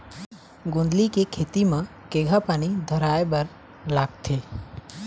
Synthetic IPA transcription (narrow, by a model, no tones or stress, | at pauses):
ɡõnd̪likekʰeːt̪imã | keːɡʱapaːnid̪ʱəɾaːebəɾ | laːɡ̚t̪ʰeː